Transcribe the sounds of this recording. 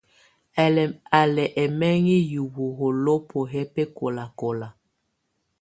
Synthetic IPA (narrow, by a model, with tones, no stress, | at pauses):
ɛ˨a˨lɛ˨ʔɛ˨mɛ˦ŋi˦ju˨wu˨ɣo˨lo˦po˨ɦɛ˦pe˦ko˨la˨ko˨la˨